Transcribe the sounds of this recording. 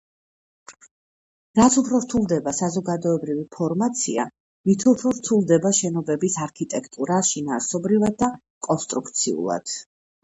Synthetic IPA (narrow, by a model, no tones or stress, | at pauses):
ɾat̪sʰupʰɾɔɾt̪ʰulˠd̪ɛbasazɔɡad̪ɔɛbɾivipʰɔɾmat̪sʰḭa̰ | mit̪ʰupʰɾɔɾt̪ʰulˠd̪ɛbaʃɛnɔbɛbisaɾkʰit̪ʼɛkʰt̪ʼuɾaʃinaːɾsɔbɾivad̪̚ːa | kʼɔnst̪ʼɾukʰt̪sʰḭṵlˠa̰d̪̥